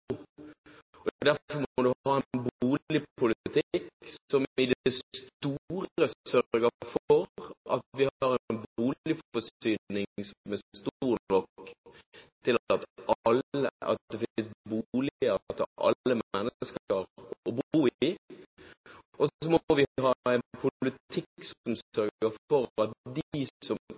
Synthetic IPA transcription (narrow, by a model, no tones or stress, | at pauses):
ɔd̪æfɔmmɔd̪ʉhɑːɛnnbuːɪpʰʊlɪt̪ʰɪkːsɔmɪd̪stt̪uːɾəsœɡəfɔɾɑ̰t̪ʋɪhɑɾɛnbuːlɪfɔsyːnɪŋsmɛst̪uuːɾnɔk | t̪ʰɪlɑt̪ʔɑləʔɑ̰t̪̚d̪ɛfɪsbulɪət̪ʰʔɑ̰lːəmɛnːəskəɾɔbuː | ʔɔsɔmɔʋɪɦɑːɛɪnpʰʊlɪt̪ʰɪkːsɔmsœɾɡɡəfɔɾɑt̪̚d̪ɪsɔm